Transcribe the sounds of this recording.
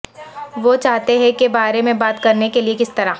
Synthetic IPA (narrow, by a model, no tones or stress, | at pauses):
ʋot͡ʃaːɦt̪eɦɛ̃kebaːɾemẽbaːt̪kɐɾnekeliekɪst̪ɐɾa